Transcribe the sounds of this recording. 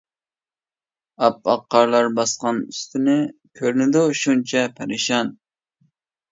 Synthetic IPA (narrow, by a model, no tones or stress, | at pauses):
ɑp̚ɑqːɑɾlˠɑɾbɑsqɑny̰st̪ɪnɪkʲʰøɾnɪd̪uʃunt͡ʃʰɛpʰæɾɪʃɑn